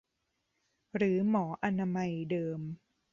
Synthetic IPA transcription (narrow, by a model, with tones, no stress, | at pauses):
ɾɯː˩˦mɔː˩˦ʔa˧na˧ma˧jdɤː˧m